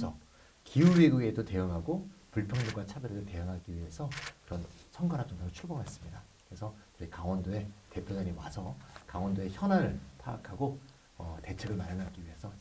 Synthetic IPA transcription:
sʰʌ | kiuwɥiɡuɡe̞dote̞ɯŋɦaɡopuɭpʰjʌŋɲuɡwat͡ɕʰabjeɾɯdete̞jɯŋɦaɡiɥiɦe̞sʰʌkɯɾʌnsʰʌŋɡanɦap̚t͡ɕ͈ʌŋdaɾot͡ɕʰuɭboŋe̞s͈ɯ̥mɲidakɯɾe̞sʰʌkɯikaŋwʌndoe̞te̞pʰjodaɲiwasʰʌkaŋwʌndoe̞çjʌnaɾɯɭtʰaːkʰaɡo | ʌte̞t͡ɕʰeɡɯɭmaɾanaɡiɥiɦe̞sʰʌ

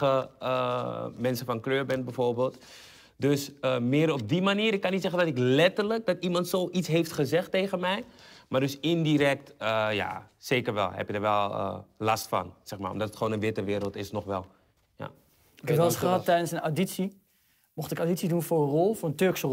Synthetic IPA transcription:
əəmɛnsənfɑnkløːɹbɛnbɛjvoːɹbeːlˠt | døsəmɪːɾɔb̚dimaniːɾɪkːɑnitsɛχəndɑtɪklɛtəɹlək̚dɑtimɑntsoːʔitsɦejftχəzɛχtejχənmɛjmaːrdøsɪndiɾɛk̚təja̰seːkəɹʋɛ̰lˠɦɛ̰pjədəɹʋɛlˠə̰lɑstfɑ̰nsɛχma̰ːɔ̰mdɑtətχəʋoːnənʋɪtəʋɪːɾəlˠtɪsnɔχʋɛ̰lˠ | ja̰ | ɪkɛpʋɛlˠəsχəɦɑtːɛjdənsənaditsi | mɔχtɪkawditsidunfʊːɹərɔlˠfʊːɹəntøɹksə

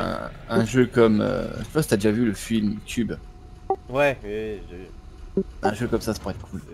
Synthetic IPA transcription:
ɛ̰̃ɛ̃ʒøkɔmø̰t̪yvat̪yad̪eʒavyləfilmt̪ʰyb | wɛwiwiʒe | ɛ̃ʒøkɔmsasapuʁɛt̪̚kʰul

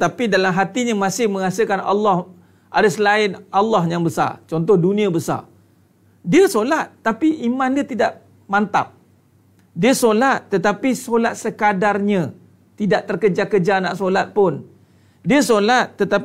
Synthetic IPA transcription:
t̪apidalamɦat̪iɲəmãsɪhmə̃ŋasəkana̰lːɑh | ʔadəsəlaɪnɑlːɑhjaŋbəsa̰rt͡ʃɔnt̪̬ɔhdunĩabəsa̰r | diəsolat̪̚ːapiʔimãndiət̪idaʔ | mant̪a̰p̚ | diəsolat̪ːət̪apisolat̪̚səkadarɲə | t̪idaʔt̪ərkəd͡ʒakəd͡ʒana̰ʔsolat̪̚pʊn | diəsolat̪̚ːət̪a

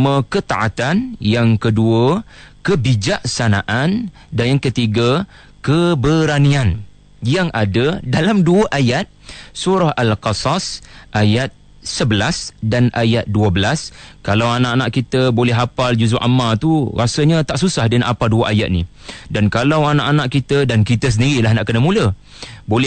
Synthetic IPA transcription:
mə̃kət̪aʔat̪anjaŋkəduəkəbid͡ʒaʔsanaʔan | dajaŋkət̪iɡa | kəbəɾanĩan | jaŋʔadədalamduəʔajat̪̚suɾahalqɑsasʔajat̪̚ | səbəlasdanajat̪̚duəbəlaskalawanãʔanãʔkit̪əbolɛɦapald͡ʒusuʔamalt̪uɾasəɲat̪aʔsusahdənʔapaduəʔaja̰t̪̚nḭ | dankalawanãʔanãʔkit̪ədankit̪əs̬əndiɾilahnaʔkənamũlə | bolɛ

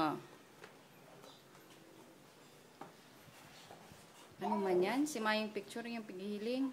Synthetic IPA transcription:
anumaɲansimajɪŋpik̚t͡ʃʊrjaŋpiɡiɦilɪŋ

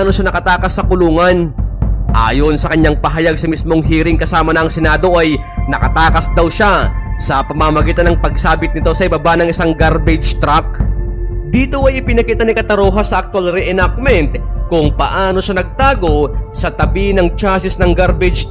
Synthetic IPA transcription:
no̞ʃanɐkɐt̪aːkɐsːɐkʊluːŋɐnʔa̰ːjo̞nsɐkɐɲaŋpɐɦɐjaɡ̚sɐmismo̞ŋɦiːɾɪŋkɐsaːmɐnɐʔːŋsɛnaːd̪o̞ʔɐj | nɐkɐt̪aːkɐsd̪ɐwʃasɐpɐmamɐɡiːt̪ɐnɐŋpɐɡ̚saːbɪt̪̚nɪt̪o̞sɐɪbabanɐŋɪsaŋɡaɾbɪd͡ʒt̪ɾak̚ | d̪iːt̪o̞ʔɐjɪpɪnɐkiːt̪ɐnɪkɐt̪ɐɾoːɦasɐʔɐk̚t̪ʊalɾɛʔɛnak̚mɛnt̪kʊŋpɐ̰ʔaːno̞ʃanɐɡ̚t̪aːɡo̞sɐt̪ɐbinɐŋt͡ʃasɪsnɐŋɡaɾbɛd͡ʒ

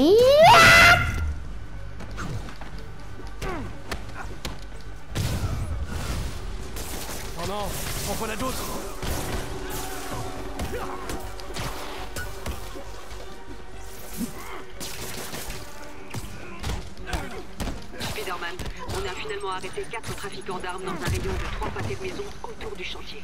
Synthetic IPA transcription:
ɔ̃nɔ̃ | pɔkɔ̃nad̪ot̪χ | spid̪ɛʁman | ɔ̃nafinalmɑ̃aʁet̪ekat̪χət̪χafikɑ̃d̪aʁmd̪ɑ̃zɛ̃ʁed̪od̪ət̪χwapat̪ed̪əmezɔ̃ | ot̪uʁd̪yʃɑ̃t̪je

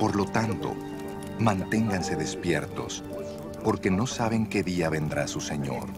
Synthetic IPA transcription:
po̞ɾlo̞t̪ant̪o̞̰ | mãnt̪e̞ŋɡanse̞ðe̞spje̞ɾt̪o̞̰s | po̞ɾke̞no̞saβe̞ŋke̞ðiaβe̞nd̪ɾasuse̞ɲo̞̰ɾ

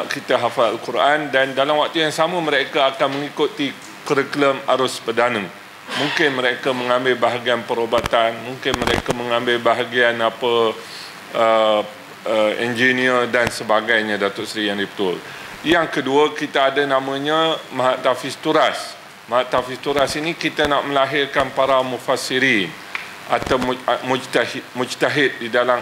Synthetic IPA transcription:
ʔkit̪aɦafaalkuɾʔandandalamwak̚t̪ujaŋsamə̃məɾekaakanmə̃ŋikut̪i | kəɾəkləma̰ɾʊspərdanə̃ | mũŋkɪnmə̃ɾekamə̃ŋãmbɪlbaɦaɡianpəɾobat̪anmũŋkɪnməɾekamə̃ŋãmbɪlbaɦaɡianapə | ə | əɛnd͡ʒinĩərdansəbaɡajɲãdat̪ʊʔsɾijaŋdipə̥t̪ʊl | jaŋkəduakit̪aːdanãmãɲãmaɦaʔt̪afist̪uɾas | maɦaʔt̪afist̪uɾasinikit̪anaʔməlaɦɪrkanpaɾamũfasiɾin | ʔat̪awmud͡ʒt̪ahimũd͡ʒt̪aɦɪt̪̚didala

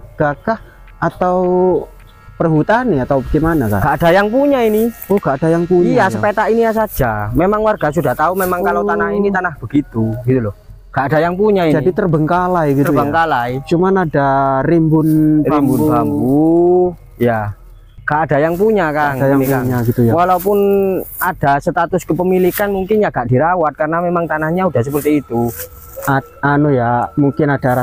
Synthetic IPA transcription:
aɡ̥akah | at̪au | pərɦut̪aniat̪awbaɡemanaka̰nɡ̥aʔdajaŋpuɲainiohɡ̥aʔadajaŋpuɲiajasəpet̪aʔinijas̬ad͡ʒamemaŋwarɡasudaht̪aumemaŋkalawt̪anahinit̪anahb̥əɡit̪uɡ̥it̪ulɔh | ɡ̥aʔad̥ajaŋpuɲaid͡ʒadit̪ərbəŋkalajɡit̪ərubəŋkalajt͡ʃumanadaɾimbʊnrbaimbunubabbu | ja | ŋɡ̥aʔad̥a̤jaŋpuɲakaŋdajaŋaɲaɡit̪ujawalaupʊnad̥asət̪at̪ʊskəpəmilikanmuŋkɪnjaɡ̥aʔd̥iɾawat̪̚kaɾənamemaŋt̪anahɲaud̥ahsəpərt̪iːt̪u | a | anujamuŋkɪnad̥aɾa

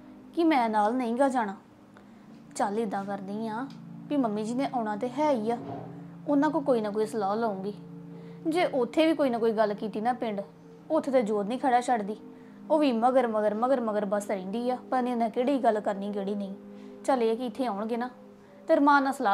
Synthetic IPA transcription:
kɪmɛ̃ːnaːlnəĩːɡaːd͡ʒaːɽ̃aː | t͡ʃaliːd̪ãːkəɾd̪ĩːãːpiːməmːiːd͡ʒiːnẽːʔaːɽãːt̪eːɦɛːiːaːʊnãːkõːkoːiːnaːkoːiːsəlaːləũːɡiː | d͡ʒeːʔʊt̪ʰːeːʋiːkoːiːnãːkoːiːɡəlkiːt̪iːnaːpɪɳɖ | ot̪ʰːeːt̪eːd͡ʒoːd̪nĩːkʰɛːɽaːt͡ʃʰəɖd̪iː | oːʋiːməɡəɾməɡəɾməɡəɾməɡəɾbəsɾĩːnd̪iːaːpəɾnĩːnɛ̃ːkeːɽiːiːɡəlkəɾniːɡeːɽiːnəĩː | t͡ʃəleːɛːkɪɪt̪ʰːeːãːʊɳɡeːnaː | t̪eɾmãːnãːsəlaː

